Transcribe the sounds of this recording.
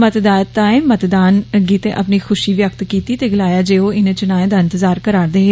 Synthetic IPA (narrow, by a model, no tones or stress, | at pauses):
mət̪d̪aːt̪aːẽːmət̪d̪aːnɡiːt̪ḛ̃ːʔəpniːxʰʊʃiːʋjək̚t̪kiːt̪iːt̪eːɡəlaːjaːd͡ʒeːoːɪnẽːt͡ʃʊnãːẽːd̪aːɪ̃nt̪əzaːɾkəɾaːɾd̪ẽː